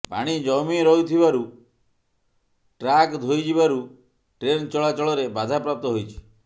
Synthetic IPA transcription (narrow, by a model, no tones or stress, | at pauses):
pa̰ɽ̃id͡ʒɔmiɾɔɦut̪ʰibaɾu | ʈɾakd̪ʱojd͡ʒibaɾu | ʈɾent͡ʃɔɭat͡ʃɔɭɔɾebad̪ʱapɾap̚t̪ɔɦojt͡ʃʰi̥